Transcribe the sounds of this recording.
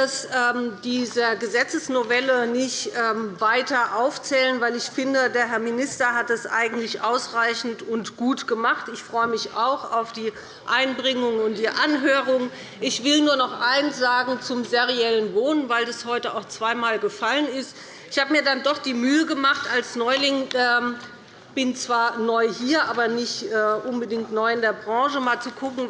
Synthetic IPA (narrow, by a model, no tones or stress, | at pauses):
d̥asɛːmdiːzəɡəzɛt͡səsnovɛlənɪçtʔɛːmvaɪtɐʔaʊft͡sɛːlənvaɪlɪçfɪndədeːɐɦɛɐminɪstɐɦat̚d̥asʔa̰ɪɡŋ̩tlɪçʔaʊsʁaɪçn̩tʊntɡ̥uːtɡ̥əmaχtɪçfʁ̥ɔʏəmɪçaʊxaʊfd̥iː | ʔaɪnbʁɪŋʊŋʊnt̚d̥iːʔanɦøːʁʊŋ | ʔɪçv̥ɪlnuːɐnɔχʔaɪnsz̥aːɡŋ̩t͡sʊmzeʁiɛlənvoːnənvaɪldashɔʏtəaʊxt͡sv̥aɪmaːlɡəfalənɪst | ɪçhaːbəmiːɐdandɔχd̥iːmyːəɡəmaχtalsnɔʏlɪŋɛ | b̥ɪnt͡sv̥aːɐnɔʏhiːɐʔaːbɐnɪçtʔɛːʔʊnbədɪŋktnɔʏɪndeːɐbʁɑ̃ːʒəmaːlt͡sukʰʊkŋ̩